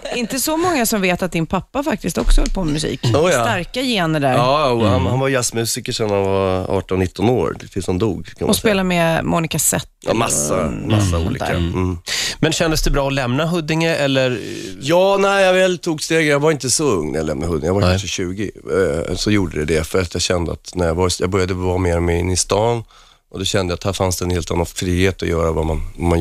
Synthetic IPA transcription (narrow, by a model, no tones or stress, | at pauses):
ɪnt̪əsɔmɔŋːasɔmveːt̪at̪̚d̪ɪnpʰapːafak̚t̪ɪst̪ɔ̰ksɔhɔlpʰɔmɵsḭːkut̪aɾkajeːnəɖ̪æɾːhanhanvaɾjasmʉ̟ːsɪkəʂɛnhanvaɑ̰ːʈɔnnɪt̪ːɔno̰ːɾt̪ɪlsnd̪ṵːɡkʰanmɔspeːlamɛmʔɔnɪkasɛ̰t̪ːmasːaasːaṵːlḭka̰ | mɛnɕɛnd̪əsd̪ɛbɾɑːɔlɛmnaɦɵd̪ːɪŋəɾɛlːəɾjɑːnɛɪjɑvɛlt̪ʰuːɡst̪eːɡəjɑɡvaɾɪnt̪əsɔɵŋːnæ̰jalɛmnaɦɵd̪ːɪ̰ŋjavakkʰaʂəɕʉːɡɪsɔjuːɖəd̪ɛd̪ɛfœɾat̪jɑɡɕɛnd̪əa̰t̪næɾjavaɾjɑ̰ɡbœɾjad̪əvɑmeːɾɔmɛɪnːɪst̪ɑːn | ʔɔd̪ɔɕɛnd̪əjat̪hæːɾfansd̪ɛnheːlt̪anːanfɾiːheːt̪ɔjœːɾavamanvaman